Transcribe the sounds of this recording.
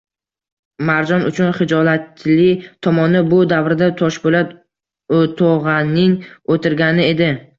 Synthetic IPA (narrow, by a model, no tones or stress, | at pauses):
maɾd͡ʒɒnʔʊt͡ʃʰʊnχɪd͡ʒɒlat̪lɪt̪ʰɒmɒnɪbʊd̪avɾɪd̪at̪ʰɒʃbolat̪ | ot̪ʰɒʁanɪŋot̪ʰɪɾɡʲanɪe̞d̪ɪ